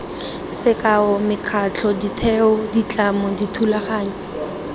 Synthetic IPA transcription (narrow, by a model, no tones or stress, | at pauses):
sɪkʼaɔmɪkʰat͡ɬʰɔditʰɛʊdit͡ɬʼamɔditʰulaχaːɲɔ